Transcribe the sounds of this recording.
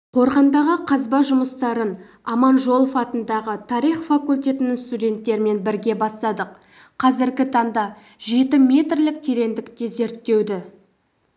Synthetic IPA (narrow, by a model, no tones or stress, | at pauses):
qʰo̞ɾʁɑnd̪ɑʁəqʰɑzbɑʒʊməst̪ɑɾən | ɑmɑnʒo̞lˠfɑt̪ənd̪ɑʁət̪ʰɑɾijχfakulʲt̪ʲe̞t̪ɪnɪŋst̪udʲe̞nt̪ːe̞ɾɪme̞nbɪɾɡʲe̞bɑst̪ɑd̪əq | qʰɑzɪɾɡʲɪt̪ʰɑnd̪ɑ | ʒe̞t̪ɪmʲe̞t̪rlɪk̚t̪ʰeɾe̞nd̪ɪkt̪e̞ze̞ɾt̪ːe̞wd̪ɪ